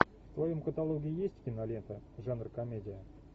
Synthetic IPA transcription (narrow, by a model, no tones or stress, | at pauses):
ft̪vɐjo̞mkət̪alˠoɡʲɪɪjesʲtʲkʲɪnɐlʲent̪əʐanrkɐmʲedʲɪjə